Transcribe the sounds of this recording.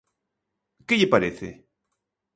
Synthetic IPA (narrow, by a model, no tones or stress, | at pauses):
keʎepaɾeθḛ